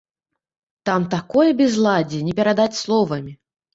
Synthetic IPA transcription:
t̪amt̪akɔjɐbʲɛzlˠad͡zʲɛnʲɛpʲɛɾad̪at͡sʲslˠɔvɐmʲi

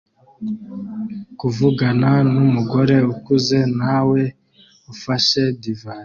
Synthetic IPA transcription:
kuvuɡananumuɡo̞ɾe̞ukuze̞nawe̞ | ufaʃe̞diva

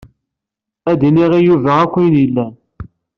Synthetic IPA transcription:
æd̪iniʁijuvæækʷːinilːæn

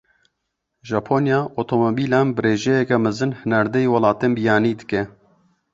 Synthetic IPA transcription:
ʒaːpʰoːnjaːʔot̪ʰomobiːlaːnbɨɾeːʒɛjɛkɛmɨzɨnhɨnaɾd̪ɛjwɐlɑːt̪enbijaːniːd̪ɨkɛ

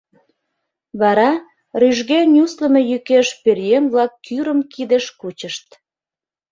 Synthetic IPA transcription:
βɑɾɑ | ryʒɣenʲusləme̽jykeʃperjemβlɑkːyɾəmkid̪eʃkut͡ɕəʃt̪

